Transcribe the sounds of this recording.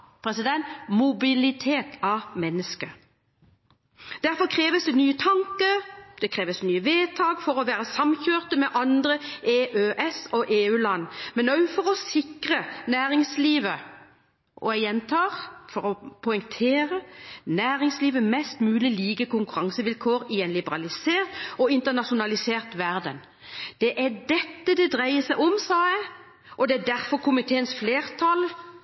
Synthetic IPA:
pʰʁɛsɪd̪ɛnt̪mʊbɪlɪt̪ʰeːt̪ɑmɛnːəskə | d̪̥æʁfɔkʰʁeːʋəsd̪ɛnyːət̪ʰɑŋkəd̪̥ɛkʰʁeːʋəsnyːəʋeːt̪ʰɑːɡfɔʁɔʋæːʁəsɑmçøːʁt̪əmɛʔɑnd̪ʁəeːʔøːʔɛsɔʔeːʉːlɑnːmɛnœʉfɔʁɔsɪkʁənæːɾɪŋsliːʋə | ʔɔ̰ɛjɛnt̪ʰɑːʁfɔɾɔpʰɔʏŋt̪ʰeːɾənæːʁɪŋsliːʋəmɛst̪mʉːlɪliːɡəkʊŋkʉɾɑŋsəʋɪlkʰoːɾɪɛɪnlɪbəɾɑlɪseːʁt̪ɔɪnt̪ənɑʃʊnɑlɪseːʁt̪ʋæʁd̪ən | d̪̥ɛʔæɖɛt̪ːəd̪ɛd̪ʁæɪəsæɪʔɔmsɑːæɪ | ʔɔd̪ɛæɖ̪æɾfɔɾkʰʊmɪt̪ʰeːənsfleːʁt̪ʰɑl

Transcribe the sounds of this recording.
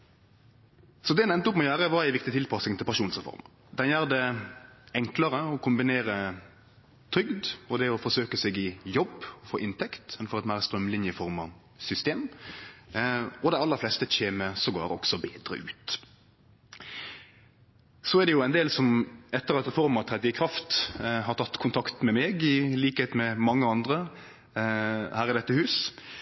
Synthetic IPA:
sɔd̪ɛænɛnt̪əʊpːmɔjøːɾəʋɑɾæɪʋɪkt̪ɪt̪ʰɪlpʰɑsnɪŋt̪ʰɪlpʰæʁʂʃuːnsʁɛfɔ̰ɾmə̰ | d̪ɛnjæːʁd̪ɛ | ɛŋkləɾəɔkʰʊmbɪneːɾə | t̪ʰɾʏɡd̪ɔd̪ɛɔfɔɾsøːkəsɛɡɪjɔbɔfoːʔɪnt̪ɛkt̪ɛnfɔɾɛt̪mæɪʁst̪ɾœmlɪnjəɪfɔɾmɑ | sʏst̪eːm | ɔd̪æɪɑlːəɾflɛst̪əc͡çeːməsɔɡo̰ːɾɔ̰ksɔbeːd̪ɾə̰ʔʉːt̪ | sɔæd̪ɛjʊæɪnd̪eːlsɔmɛt̪ːəɾɑt̪ɾɛfɔɾmɑt̪ʰɾɛd̪ːəɪkʰɾɑft̪ɦɑɾt̪ʰɑt̪ːkʰʊnt̪ʰɑkt̪mɛmɛːɡɪliːkəheːt̪mɛmɑŋːəɑnd̪ʁə | hæːɾɪd̪ɛt̪ːəhʉːs

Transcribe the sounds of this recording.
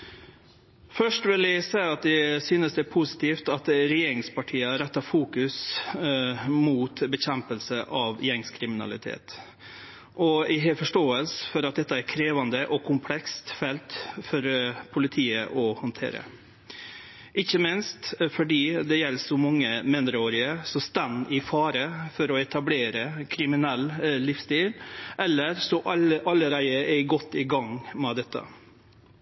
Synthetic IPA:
fœʂʈʋɪlæɪsæɪɑt̪̚d̪ɛsyːnəsd̪ɛpʰusɪ̥t̪ʰiːft̪ɑt̪ɾɛjeːɾɪŋspɑʈʰiːəɾɛt̪ːɑfuːkʉs | muːt̪bəçɛmpəlsəʔɑʋjɛŋskʰɾɪmɪnɑ̰lɪ̰t̪ʰḛːt̪ | ʔɔɪɦɛfɔʂʈoːəlsfɔɾɑt̪̚d̪ɛt̪ːəæɾkʰɾeːʋɑnd̪əʔɔkʰʊmpʰlɛkst̪fɛlt̪fɔɾpʰʊlɪt̪ʰiːəʔɔhʊnt̪ʰḛːɾə̰ | ʔɪçːəmɪnst̪fɔɖiːd̪ɛjɛlːsɔmɑŋːəmɪnd̪ɾəoːɾɪəsɔst̪ɛnːɪfɑːɾəfɔɾɔɛt̪ʰɑbleːɾəkʰɾɪmɪnɛlːɪfst̪iːlʔɛlːəɾsɔʔʔɑlːəɾæɪəɛɪɡɔt̪ːɪɡɑŋmɛd̪ɛt̪ʰːə̰

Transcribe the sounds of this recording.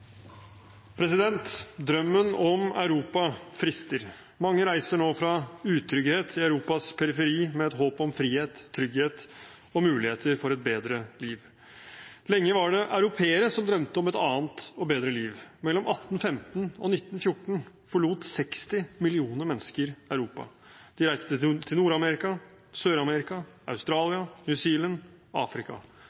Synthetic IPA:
pʰɾɛsɪd̪ɛnt̪d̪ɾœmːənɔmɑ̰ʉɾuːpɑfɾɪst̪əɾ | mɑŋːəɾæɪsəɳoːfɾɑʉːt̪ʰɾʏɡheːt̪ʰɪɑʉɾuːpɑspʰɛɾɪfɛɾiːmɛɛt̪ɦhoːpɔmfɾiːheːt̪ʰːɾʏɡheːt̪ | ɔmʉːlɪheːt̪ʰəɾfɔɾɛt̪̚beːd̪ɾəliːʋ | lɛŋːəʋɑɖɛʔaʉɾʊpʰeːəɾəsɔmd̪ɾœmt̪əɔmɛt̪ɑːnt̪ɔbeːd̪ɾəliːʋmɛlːɔmʔɑt̪ːn̩fɛmt̪nɔ̰nɪt̪ːnfjʊʈːɳ̩ | fɔɭuːt̪sɛkst̪ɪmɪlɪuːnəɾmɛnːskəɾæʉɾuːpɑ̰ | d̪̥ɪɾæɪst̪ət̪ʰɪlnuːɾɑmɛɾɪkɑ | søːɾɑmɛɾɪkɑ | ɑ̰ʉst̪ɾɑːlɪɑnjʉsiːlən | ɑ̰ːfɾɪkɑ̰

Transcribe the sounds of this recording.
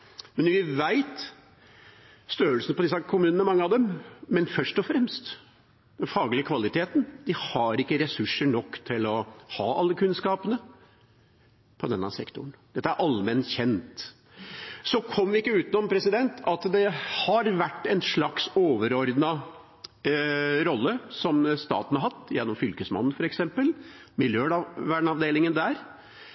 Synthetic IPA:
mɛnʋɪʋæɪt̪ | st̪øːəlsənəpʰɔd̪ɪs̬ɑkʰʊmʉːnənəmɑŋːəɑʋd̪ɛmmɛnfœʂʈɔfɾɛmst̪ | d̪̥ɛnfɑːɡlɪəkʰʋɑlɪt̪ʰeːt̪n̩d̪̥ɪhɑɾɪkːəɾɛsʉʂːəɳɔkːt̪ʰɪlɔhɑːʔɑlːəkʰʉnskɑːpənə | pʰɔd̪ɛnːɑsɛkt̪ʊɳd̪ɛt̪ːæɾʔɑlmɛnçɛnt̪ | sɔkʰɔmːʋɪɪkːəʉːt̪ɪnɔmpʰɾɛsɪd̪ɛnt̪ʰɑt̪d̪ɛhɑɾʋæʈːɛnʂɭɑksoːʋəɾɔɾd̪nɑ | ɾɔlːəsɔmst̪ɑ̰ːt̪n̩hɑɾɦɑt̪ːjɛnːɔmfʏlkəsmɑ̰nːn̩fɔɾɛksɛmpəlmɪljøːʋæɳɳɑʋd̪eːlɪŋənd̪æɾ

